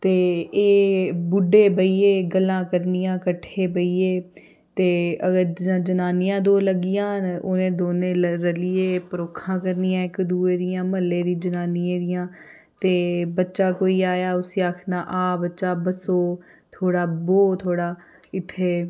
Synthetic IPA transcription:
t̪eːeːbʊɖeːbəiːeːɡəlːãːkəɾnijãːkəʈʰːeːbəiːeː | t̪eːəɡəɾd͡ʒənaːnɪjãːd̪oːləɡɪjãːnoːnẽːd̪oːnẽːɾəliːeːpəɾoːkʰãːkəɾnijãːɪkd̪uːeːd̪ijãːməlːẽːd̪iːd͡ʒənaːnɪjãːd̪ɪjãː | t̪eːbətːʃaːkoːiːaːjaːʊsiaːkʰnaːʔaːbətːʃaːbəsoː | t̪ʰoːɽaːboːt̪ʰoːɽaː | ɪt̪ʰːeː

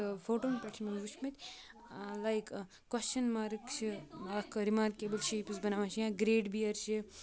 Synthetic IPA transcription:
foːʈoːnpʲeʈʰmiʋut͡ʃmɐt̪ʲ | lajk | kːwɐst͡ʃɐnmaːɾkt͡ʃʰilaːkɾimaːɾkeːbəlʃiːpizbɐnaʋãt͡ʃijãɡɾeːɖbiɐɾʃi

